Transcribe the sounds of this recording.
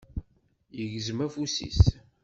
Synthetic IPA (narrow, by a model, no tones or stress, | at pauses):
jəʝzəmæfusḭs